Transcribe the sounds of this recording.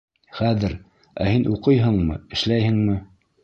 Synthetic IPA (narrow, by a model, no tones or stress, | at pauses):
χæðɘɾ | æ̰hinʔuqɤjɦɤɴmɤ̰ɘ̆ʃlæjhɘ̆ŋmɘ